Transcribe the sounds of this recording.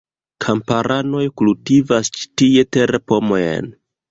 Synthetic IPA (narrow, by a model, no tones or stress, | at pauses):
kʰampaɾʔano̞jkultivast͡ʃi̥tie̞te̞ɾepo̞mo̞jḛn